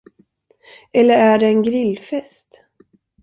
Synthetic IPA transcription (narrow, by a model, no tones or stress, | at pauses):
ɛlːəɾæɖɛːnɡɾɪlːfɛst̪